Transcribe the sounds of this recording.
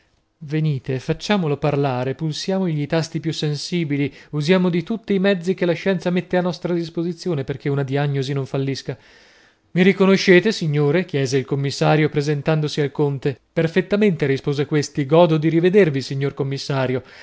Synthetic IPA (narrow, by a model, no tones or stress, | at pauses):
veniːt̪efat͡ʃːaːmoloparlaːɾepulsjaːmoʎit̪ast̪ipjusːensiːbiliuzjaːmod̪it̪ut̪ːiːmɛd̪zːik̟elːaʃɛnt̪samet̪ːeanːɔst̪ɾad̪ispozit̪sːjoːneperk̟eunad̪iaɲːozinoɱfalːiska | miɾikonoʃːeːt̪esiɲːoːɾek̟jɛːzeilkomːisːaːɾjopɾezent̪and̪osialkont̪eperfet̪ːament̪eɾispoːzekwest̪iɡɔːd̪od̪iɾived̪ervisiɲːorkomːisːaːɾjo